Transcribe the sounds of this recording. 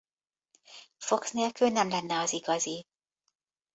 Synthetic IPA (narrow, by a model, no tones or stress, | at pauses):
fo̞ksneːlkylnɛmlɛnːɛɒziɡɒzi